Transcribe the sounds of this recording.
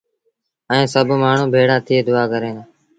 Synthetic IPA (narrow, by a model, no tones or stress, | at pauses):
ɛ̃ẽːsəbʱmaːɳ̤ũːbʱeːɽaːt̪ʰɪeːd̪ʊaːkəɾẽːnː